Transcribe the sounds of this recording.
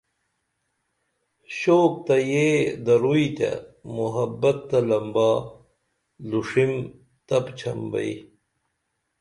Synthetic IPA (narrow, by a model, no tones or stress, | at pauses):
ɕoːk̚t̪ɐjed̪ɐɾuit̪ɐ̰muɦɐbɐt̪ːɐlɐmbaː | luʂim | t̪ɐpt͡ɕʰɐmbɐ̰i